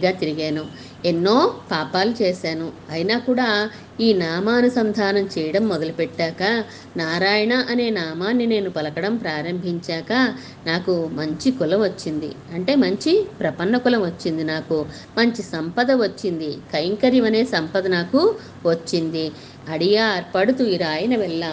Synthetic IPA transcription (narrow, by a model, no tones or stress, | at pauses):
ɡaːt̪iɾiɡeːnu | enːo̞ːpaːpaːlut͡ʃeːʃaːnuɐjinaːkuːɽaː | iːnaːmaːnɐsɐnd̪ʱaːnɐmt͡ʃɛːjɐɽɐmːɔd̪ɐlupɛʈːaːkɐ | naːɾaːjɐɳɐʔɐne̞ːnaːmaːnːine̞ːnupɐlɐkɐɽɐmpɾaːɾɐmbʱiɲt͡ʃaːkɐ | naːkumɐɲt͡ʃikulɐmʋɐt͡ʃːind̪ḭɐɳʈe̞ːmɐɲt͡ʃipɾɐpɐnːɐkulɐmʋɐt͡ʃːind̪inaːku | mɐɲt͡ʃisɐmpɐd̪ɐʋɐt͡ʃːind̪ikɐjŋkɐɾiʋɐne̞ːsɐmpɐd̪ɐnaːku | ʋɐt͡ʃːind̪i | ɐɽijaːɾpɐɽut̪uiɾaːjɐnɐʋɛɭːaː